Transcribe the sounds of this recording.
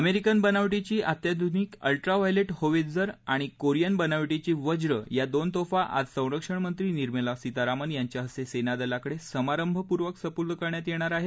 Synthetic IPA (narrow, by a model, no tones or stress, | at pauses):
əmeɾikənbənaʋʈit͡ɕiːʔat̪jad̪ʱuniːkə̰lʈɾaʋajleʈhoʋed͡zəɾaɽ̃ikoɾijənbənaʋʈit͡ɕiːʋəd͡ʑɾəjad̪ont̪ofaʔa̰d͡zsə̃w̃ɾəkʂəɳmənt̪ɾiːniɾməlasit̪aɾamənjaɲt͡ɕjaɦəsesenad̪əlakəɽesəmaɾəmbʱəpuɾʋəksəpud̪əkəɾɳjat̪jeɽ̃aɾaɦe